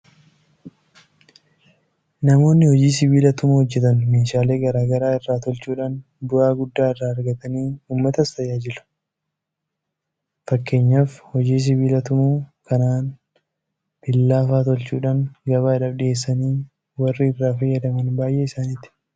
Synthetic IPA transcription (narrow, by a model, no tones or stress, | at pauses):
nɐmo̞ːnːɪhɔd͡ʒiːsɪβiːlɐt̪ʊmuːhɔd͡ʒːɛt̪ɐnmeːʃaːle̞ːɡɐɾaːɡɐɾaːɪrːaːt̪ɔlt͡ʃuːᶑaːn | bʊʔaːɡʊd̪ːaːɪrːaːɐɾɡɐt̪ɐniːuːmːɐt̪ɐst̪ɐjaːd͡ʒɪlʊ̥ | fɐkːeːɲːaːfhɔd͡ʒiːs̬ɪβiːlɐt̪ʊmuːkɐnaːn | b̪̥ɪlːaːfaːt̪ɔlt͡ʃuːᶑaːŋɡɐbaːᶑɐbᶑɪeːsːɐniː | wɐrːɪɪrːaːfɐjːɐd̪ɐmɐnbaːjʔeːɪsaːnɪt̪ɪ̥